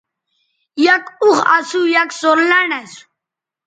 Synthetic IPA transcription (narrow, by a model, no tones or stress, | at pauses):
jakʊχa̰sujaksoɾlanas